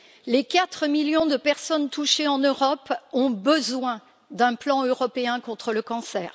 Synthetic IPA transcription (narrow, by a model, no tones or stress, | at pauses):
lekat̪χəmiljɔ̃d̪əpɛʁsɔnt̪uʃeɑ̃nøʁɔpɔ̃bəzwɛ̃ | d̪ɛ̃plɑ̃øʁɔpeɛ̃kɔ̃t̪χələkɑ̃sɛːʁ